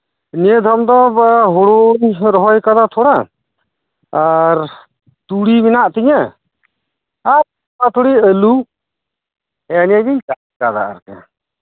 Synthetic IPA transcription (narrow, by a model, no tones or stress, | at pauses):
niəd̪ʱɔmd̪ɔɦɔɽuɲɾɔɦɔjkad̪at̪ʰɔɽa | ɾ | t̪uɽiminaʔt̪iɲa | ɾ | at̪ʰuɽiəlu | ɛɲɛd̪iɲt͡ʃa | kad̪a̰a̰ɾkɛ̰